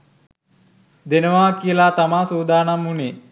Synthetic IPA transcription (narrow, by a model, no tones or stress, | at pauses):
d̪enəʋaːkiəlaːt̪amaːsuːd̪aːnamːune